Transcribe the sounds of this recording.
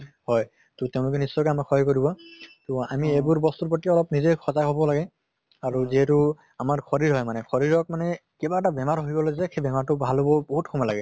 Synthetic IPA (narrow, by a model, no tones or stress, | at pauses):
hɔj | tʊteʊ̃lʊkɛnisːɔjkɔamaxʰɔkoɹibɔtʊa̰miebuɹbɔst̪uɹpɹɔtiɔlɔpnizekʰɔzaɦobɔlaɡɛ | aɹuziɦɛtu | amaɹkʰɔɹiɹɦɔjmanɛxʰɔɹiɹɔk̚manɛkɛbaɛtabɛmaɹɦoɦibɔlozɛxʰebɛmaɹtʊbʱalɦobɔboɦutkʰɔmalaɡɛ